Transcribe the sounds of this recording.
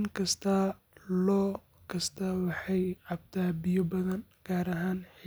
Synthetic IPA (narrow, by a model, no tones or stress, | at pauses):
ŋkʰɐst̪ʰɐ | lɔː | kʰɐst̪ʰɐwɑħɑjʕɑb̚t̪ʰaːbɪjɔbɐðɐnɡ̥aːɾɐɦaːnħ